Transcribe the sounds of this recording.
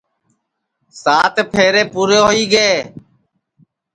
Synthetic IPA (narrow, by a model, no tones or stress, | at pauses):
saːt̪ʰpʰeːɾeːpuːɾoːɦoiːɡeː